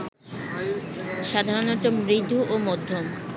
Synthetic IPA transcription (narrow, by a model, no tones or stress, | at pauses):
ʃad̪ʱaɾonɔt̪omɾid̪ʱːuʔomɔd̪ʱːom